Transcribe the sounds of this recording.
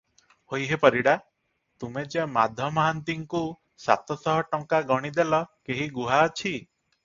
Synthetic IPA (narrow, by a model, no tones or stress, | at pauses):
hojɦepɔɾiɽa | t̪umed͡ʒemad̪ʱɔmɔɦant̪iŋku | sa̰t̪ɔsɔɦɔʈɔŋkaɡɔɽ̃id̪elɔkeɦiɡuɦaɔt͡ʃʰi